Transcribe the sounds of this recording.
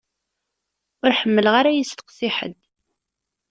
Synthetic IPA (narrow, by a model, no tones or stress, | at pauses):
ʊɾħəmːəlʁaɾajəst̪ə̥qsɪħə̰d̪